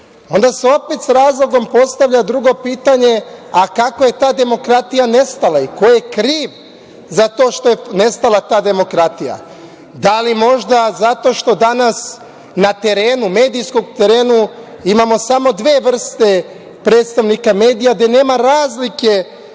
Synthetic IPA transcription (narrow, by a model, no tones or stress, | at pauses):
o̞nd̪aseo̞pet̪sɾaːzlˠo̞ɡo̞mpo̞st̪aʋʎad̪ɾuɡo̞piːt̪aɲe̞akako̞je̞t̪aːd̪emo̞kɾat̪ijane̞st̪alˠaiko̞je̞kɾiːʋ | zat̪o̞ːʃt̪o̞jene̞st̪alˠat̪aːd̪e̞mo̞kɾat̪ija̰ | d̪alimo̞ʒd̪azat̪o̞ːʃt̪o̞d̪anas | nat̪e̞ɾe̞ːnume̞ːd̪ijsko̞ɡt̪eɾe̞ːnu | imamo̞samo̞d̪ʋe̞ːʋr̩st̪e̞ | pɾeːt̪st̪aʋnikame̞ːd̪ijaɡ̪d̪e̞neːmaɾaːzlike̞